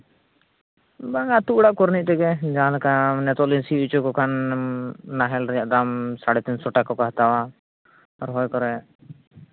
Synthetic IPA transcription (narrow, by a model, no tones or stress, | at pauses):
baŋat̪uuɽaʔkɔɾniʔ̚t̪ɛɡɛd͡ʒããlakanɛt̪ɔʔlinsiut͡ʃɔkɔkʰanː | aɦɛlɾɛjaʔd̪amsaɽɛt̪insɔʈakɔkɔɦat̪awa | ɔɾɦɔjkɔɾɛ